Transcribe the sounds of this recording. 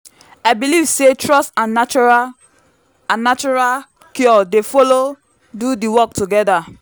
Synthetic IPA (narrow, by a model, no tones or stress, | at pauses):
aɪbilivsetɹɔstãnat͡ʃa | ãnːat͡ʃɔɹa | kjɔdefolo | dudiwɔk̚tuɡɛda